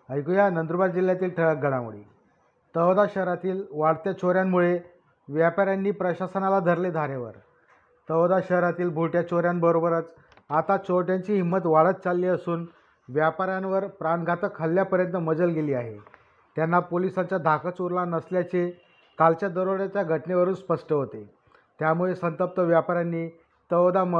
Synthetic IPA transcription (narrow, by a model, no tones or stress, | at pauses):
əjkujanənd̪ɾbaɾd͡ʑiljat̪iːlʈʰəɭaɡʱəɽamṵɭḭː | t̪əʋd̪aɕəɦɾat̪iːlʋaɭt̪jat͡ɕoɾjamːuɭe | ʋjapaɾjanːiːpɾəɕasənalad̪ʱəɾled̪ʱaɾeʋə̰ɾ | t̪əʋd̪aɕəɦɾat̪iːlbʱuʈjat͡ɕoɾjambəɾobəɾət͡s | at̪at͡ɕoʈjaɲt͡ɕiːɦimːət̪ʋaɭət̪̚t͡salːiəsuːn | ʋjapaɾjanʋəɾpɾanɡʱat̪əkʰɦəlːjapəɾjənt̪əməd͡zəlɡeliːaɦḛ | t̪janːapolisat͡ɕjad̪ʱakət͡soɾlanəsljat͡se | kalt͡ɕjad̪əɾoɭjat͡ɕjaɡʱəʈneʋəɾuːnspəʂʈəɦot̪e | t̪jamuɭesənt̪əp̚t̪əʋjapaɾjanːiː | t̪əʋd̪a